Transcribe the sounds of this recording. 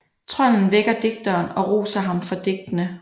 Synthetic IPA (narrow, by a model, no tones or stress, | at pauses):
t͡sʰʁɒn̰n̩ʋeɡ̥ɐd̥e̝ɡ̥̚d̥ɐːnɒ̽ʁo̰ːsɐɦɑ̈mfɒ̽d̥e̝ɡ̥̚d̥ənə